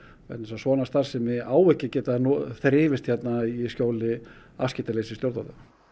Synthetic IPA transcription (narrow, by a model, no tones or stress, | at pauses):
ɛ̰nɛsasvɔːnast̪θasɛmɪaːwvɛhcːɪcɛːt̪anɔθɾɪːvɪst̪çjɛt̪naiscoːwlɪ | a̰fscɪːt̪aleːjsɪst̪jowɾt̪at̪a